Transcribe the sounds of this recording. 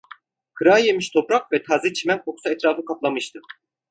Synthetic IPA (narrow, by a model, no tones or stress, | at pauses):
kʰɯɾajemiʃt̪ʰo̞pɾak̚vɛt̪ʰaːzit͡ʃʰimænkʰoksaɛt̪ɾaːfɯkʰaplˠamɯʃt̪ʰɯ